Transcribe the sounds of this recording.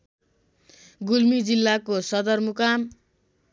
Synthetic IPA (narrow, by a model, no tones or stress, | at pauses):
ɡulmid͡zilːakosʌd̪ʌrmukam